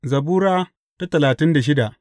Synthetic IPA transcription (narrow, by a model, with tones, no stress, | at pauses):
zɐ˨buː˦ɾaː˦ | ta˦tɐ˨laː˨tɪ˦nda˨ʃ̬ɪ˦da˨ʔ